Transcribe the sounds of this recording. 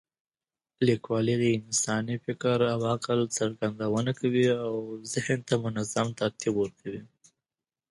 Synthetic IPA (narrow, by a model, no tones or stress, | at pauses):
likwɑliɣiɪnsɑnifɪkaɾawɑqɪlt͡saɾɡand̪awənakawiawzɪhnt̪amʊnazamt̪ak̚t̪ibwəɾkʰawi